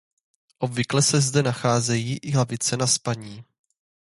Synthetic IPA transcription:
ʔobvɪklɛsɛzdɛnaxaːzɛjiːʔɪɦlavɪt͡sɛnaspaɲiː

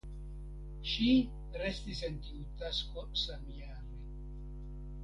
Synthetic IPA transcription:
ʃi | rest̪isent̪iut̪askosamiaɾe

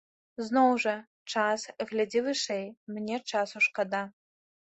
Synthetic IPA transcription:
znowʐɐ | ʈ͡ʂʰaːsɣlʲɐdivɨʂejmɨnʲeʈ͡ʂʰaːsuʂqɐd̪a

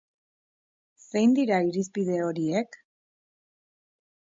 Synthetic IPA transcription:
se̞jnd̪iɾaiɾispið̞e̞o̞ɾiek

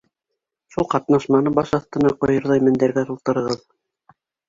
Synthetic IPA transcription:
ʃulˠqɑt̪nɑʃmɑnɤbɑʃɑθt̪ɤ̆nɑqŏjɤ̆ɾðɑmɘ̆nd̪æɾɡæt̪ulˠt̪ɤ̆ɾɤ̆ʁɤð

